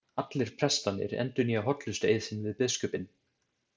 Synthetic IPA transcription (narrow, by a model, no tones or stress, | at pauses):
at̪lɪɾ̥pʰɾɛst̪anːɪ̰ɾɛ̰nt̪ʏniaɦɔt̪lʏst̪ḛjðsɪnvɪðpɪðskœːpɪn